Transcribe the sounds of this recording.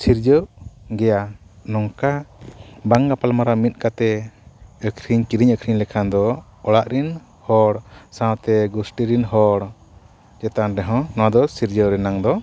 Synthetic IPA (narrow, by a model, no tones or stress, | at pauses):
siɾd͡ʒəʔɡɛjanɔŋka | baŋɡapalmaɾamit̪̚ˀkat̪ɛ | əkʰɾiɲkiɾiɲəkʰɾiɲlɛkʰand̪ɔ | ɔɽaʔɾin | hɔɽsãwt̪ɛɡusʈiɾinɦɔɽ | d͡ʒɛt̪anɖɛɦɔ̃nɔwad̪ɔsiɾd͡ʒəɾɛnaŋd̪ɔ